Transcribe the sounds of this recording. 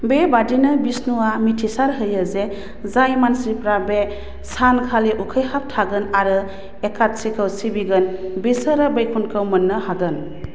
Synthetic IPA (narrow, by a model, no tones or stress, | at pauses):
bebadinɯbisnuwamitʰisaɾɦɯjɯze | zajmansipɾabe | sankʰaliʔukʰəjhap̚tʰaɡɯnaɾɯ | ekʰat̚sikʰɯwsibiɡɯnbisəɾabejkʰunkʰɯwmənːɯhaɡɯn